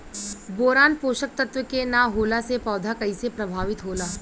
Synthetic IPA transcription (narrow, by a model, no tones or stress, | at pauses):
boːɾaːnpoːʃək̚t̪ɐt̪ʋəkenaɦoːlasepɔːd̪ʱakɐisepɾɐbʱaːʋɪt̪ɦoːlaː